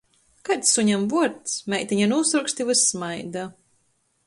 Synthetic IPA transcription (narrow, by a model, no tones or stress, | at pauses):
kat̪ssuɲamvuɔɾt̪smʲɛjt̪ʲiɲanuːsuɾkst̪ivɨsmajd̪a